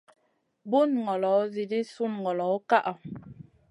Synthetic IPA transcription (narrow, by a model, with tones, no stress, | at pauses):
bu˦nŋɔ˨lɔ˨˦zi˨di˦su˦nŋɔ˨lɔ˨˦ka˦ʔa˨